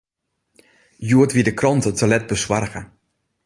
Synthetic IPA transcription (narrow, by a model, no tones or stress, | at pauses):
juətʋidəkrɑntətəlɛt̚bəsʋarɣə